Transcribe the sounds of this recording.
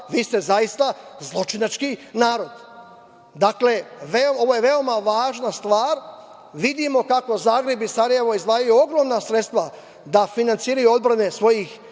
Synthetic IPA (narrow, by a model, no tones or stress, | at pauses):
ʋiːst̪e̞zajist̪azlˠo̞t͡ʃinat͡ʃkinaːɾo̞d̪ | d̪akle̞ʋeoo̞ʋojeʋe̞o̞maʋaːʒnast̪ʋaːɾ | ʋid̪imo̞kako̞zaːɡɾebisaɾaje̞ʋo̞izʋaːjajuo̞ɡɾo̞mnasɾet̪st̪ʋa | d̪afinant̪siːɾajuo̞d̪̚bɾane̞sʋo̞jix